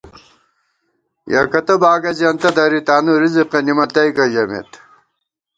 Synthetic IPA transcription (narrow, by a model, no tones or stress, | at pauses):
jɐ̰kɐt̪ɐbaːɡɐd͡ʑɐnt̪ɐd̪ɐɾit̪aːnuɾiziqɐnimɐt̪ɐjkɐʑɐmḛt̪